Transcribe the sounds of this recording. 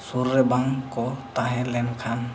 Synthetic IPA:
suɾːɛbaŋkɔt̪aɦɛ̃lɛnkʰan

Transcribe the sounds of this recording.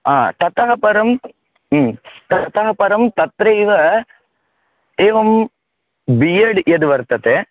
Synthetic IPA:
aːt̪ɐt̪ɐɦɐpɐɾɐm | t̪ɐt̪ɐɦɐpɐɾɐmt̪ɐt̪ɾɐjʋɐ | eːʋɐm | bijɐɽed̪uʋɐɾt̪ɐt̪e

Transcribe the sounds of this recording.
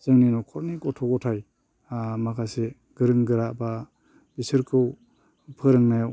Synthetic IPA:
z̥ɯŋninɔkʰɔɾnikɔtʰɔkɔtʰaj | makʰase | ɡ̥ɯɾɯŋɡɯɾaba | bisɯɾkʰɯw | pʰɯɾɯŋnaja

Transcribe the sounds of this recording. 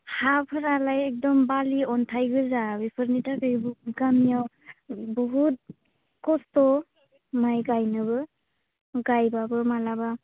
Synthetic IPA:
hapʰɯɾalajɛk̚dɔmbaliɔntʰajɡɯzabipʰɯɾnitakɯjbuɡamijaw | bɔɦut̚ | kɔstɔ | majɡajnɯbɯ | ɡajbabɯmalaba

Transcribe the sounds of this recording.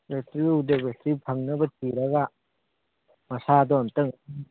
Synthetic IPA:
bestiudebestipʰɐŋnɐbɐtiɾɐɡɐ | mɐsadɔɐmtɯŋ

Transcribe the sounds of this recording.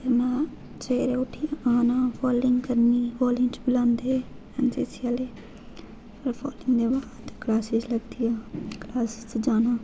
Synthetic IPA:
əɾnaː | t͡ʃeːɾeːʊʈʰːiːaːnãːpʰɔːlɪ̃ŋɡkəɾniːʋoːlɪ̃nt͡ʃbɪlãːnd̪eː | ɛnseːsiaːleː | pəɾpʰɔːlɪŋɡd̪eːbaːd̪klaːsɪzləɡd̪ijaːklaːsɪt̪d͡ʒaːnaː

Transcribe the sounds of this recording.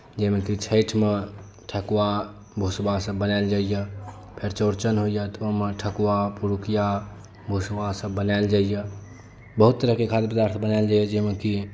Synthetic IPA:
d͡ʒemekit͡ʃʰəɪʈʰme | ʈʰəkua | bʱusbasəbbːənaɪld͡ʒaijə | pʰeɾt͡ʃoɾt͡ʃənɦoijət̪omeʈʰəkuapuɾukija | bʱusbasəbːənald͡ʒaijə | bəɦut̪ːəɾəɦkekʰat̪epəd̪aɾt̪ʰbənaɪld͡ʒajəd͡ʒemeki

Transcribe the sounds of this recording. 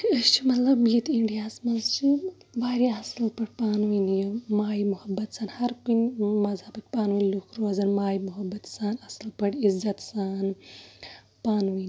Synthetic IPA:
ɐst͡ʃʰi̥mɐt̪lɐbjit̪iɳɖijaːsmɐnzt͡ʃʰi | ʋaːɾjiɐsɐlpɐɽʲpaːnʋinjumaːjimuhɐbːɐt̪saːnhɐɾkunmɐzhaːbik̚paːnʋinlukʰɾuɐzɐnmaːjimuɦɐbːɐt̪saːnɐslpɐɽizɐt̪saːn | paːnʋin

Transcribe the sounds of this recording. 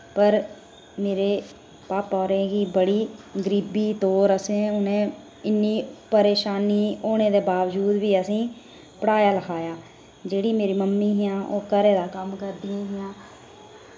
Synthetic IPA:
pəɾ | meːɾeː | paːpɔːɾẽːɡiːbəɽiːɡəɾiːbiːt̪oːɾəsẽːʊnẽː | ɪnːiːpəɾeːʃaːniːoːnẽːd̪eːbaːʋd͡ʒuːd̪ʋiːəsĩː | pəɽaːjaːləkʰaːjaː | d͡ʒeːɽiːmeːɾiːməmːiːɦɪjãːʔoːkəɾeːd̪aːkəmkəɾd̪ɪjãːɦɪjãː

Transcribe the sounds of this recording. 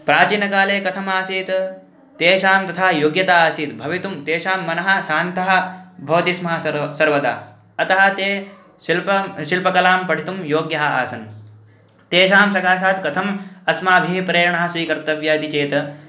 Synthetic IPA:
pɾaːt͡ʃiːnɐkaːleːkɐt̪ʰɐmaːsiːt̪ | t̪eːʃaːmt̪ɐt̪ʰaːjoːɡjɐt̪aːaːsiːt̪bʱɐʋit̪umt̪eːʃaːmːɐnɐɦɐ̆ʃaːnt̪ɐɦɐ̆bʱɐʋɐt̪ismɐɦɐsɐɾʋɐd̪a̰ː | ɐt̪ɐɦɐ̆t̪eː | ilpɐʃilpɐkɐlaːmpɐɽʱit̪umjoːɡjɐɦɐ̆a̰ːsɐn | t̪eːʃaːmsɐkaːs̬aːt̪kɐt̪ʰɐmɐsmaːbʱiɦpɾeːɾɐɳɐɦɐ̆sʋiːkɐɾt̪ɐʋjaːd̪it͡ʃeːt̪

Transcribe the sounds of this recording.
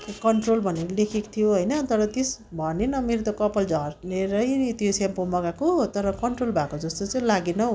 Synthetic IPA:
kkʌɳʈrolbʱʌneɾolekʰekt̪ʰijoɦojnʌt̪ʌɾʌt̪esbʱʌnenʌmeɾot̪ʌkʌpʌld͡zʱʌrneɾʌjt̪josampomʌɡakoɦt̪ʌɾʌkʌɳʈrolbʱakod͡zʌst̪ot͡sʌj̃laɡenʌ

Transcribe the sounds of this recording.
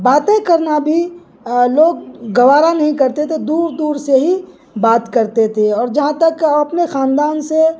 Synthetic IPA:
baːt̪ẽkɐɾnabʱi | loːɡɡɐʋaːɾanɐɦĩkɐɾt̪et̪ʰed̪uːɾd̪uːɾseɦi | baːt̪kɐɾt̪et̪ʰeɔːɾd͡ʒɐɦãt̪ɐkɐpnexaːnd̪aːnse

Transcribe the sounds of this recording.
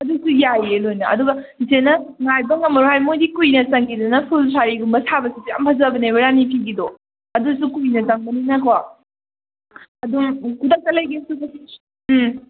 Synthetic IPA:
ɐdusujajelojnɐʔɐ̰duɡɐ | senɐŋajbɐŋɐmɐɾuhajmojdikujnɐsɐŋkidɐnɐpʰulsʰaɾiɡumbɐsʰabɐsisijampʰɐzɐbɐnejbɐɾanipʰiɡido | ɐdusukujnɐzɐŋbɐninakʰwa | ɐduŋkʰudɐk̚tɐlɐjɡisupʰɐsi

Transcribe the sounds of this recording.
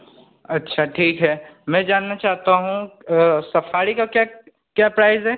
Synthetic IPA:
ɐtːʃʰaʈʰiːkɦɛːmɛ̃ːd͡ʒaːnːat͡ʃaːɦt̪aɦũsɐfaːɾikakjaː | kjaːpɾaːɪzɦɛː

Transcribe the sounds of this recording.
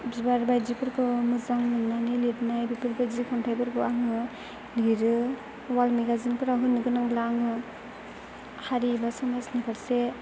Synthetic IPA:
bibaɾbajd͡ʒipʰɯɾkɯmuzaŋɯnanilitnajbipʰɯɾbajzikʰamtʰajbɯɾkʰɯaŋɯ | liɾɯ | walmeɡazinpʰɯɾaɦunːɯɡɯnaŋlaŋɯ | haɾibasɔmasnipʰaɾse

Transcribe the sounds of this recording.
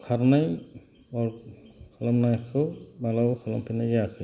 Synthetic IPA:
kʰaɾnaj | ɔɹkʰɔlɔmnasɔbalawkʰɔlɔmpʰinajaasɛ

